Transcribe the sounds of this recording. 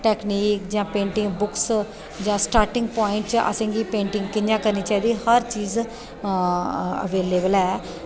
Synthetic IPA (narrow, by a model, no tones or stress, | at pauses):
ʈɛːkniːkd͡ʒãːpẽːɳʈɪ̃ŋɡbʊks | d͡ʒãːsʈaːɾʈɪ̃ŋɡ̚pɔːɪɳʈt͡ʃə̰sẽːŋɡiːpẽːɳʈɪ̃ŋɡkɪnjãːkəɾniːt͡ʃaːiːd̪iːhəɾt͡ʃiːz | ə̰ʋeːleːbəlɛː